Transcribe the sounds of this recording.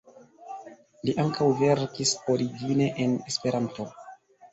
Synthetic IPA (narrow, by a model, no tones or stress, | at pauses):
liʔaŋkʰawve̞ɾkiso̞ɾiɡine̞ʔenespe̞ɾanto̞